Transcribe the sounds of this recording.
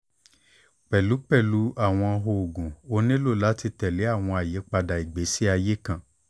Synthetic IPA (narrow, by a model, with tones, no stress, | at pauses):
k͡pɛ˨lu˨˦k͡pɛ˦˨lu˨˦ʔa˦˨w̃ɔ̃˧ɦo˧o˨ɡũ˨o˧nĩ˦lo˦˨la˨˦ti˧tɛ˨le˨˦a˦˨w̃ɔ̃˧a˨je˨˦k͡pa˧da˨i˨ɡ͡be˨˦si˦a˧je˦kã˦˨